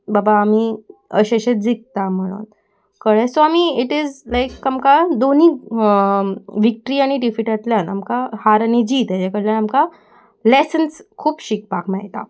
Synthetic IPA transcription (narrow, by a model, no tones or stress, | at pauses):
babaːmiːəɕeɕed͡zik̚t̪am̤əɽ̃ṵːn | kəɭesoamiiʈizlajkːamkad̪oniːk | ʋik̚ʈəɾiaɽ̃iʈifiʈat̪ljana̰mkahaɾanid͡ʑiːt̪jat͡ɕakəɽljanamka | lesənskʰuːpɕik̚pakmaɦit̪a̰